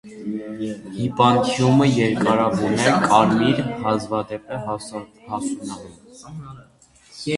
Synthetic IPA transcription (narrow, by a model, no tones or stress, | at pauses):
hipɑnt̪ʰjuməjɛɾkʼɑɾɑvunɛkʼɑɾmiɾhɑzvɑd̪ɛpɛ | hɑsunɑɦɛn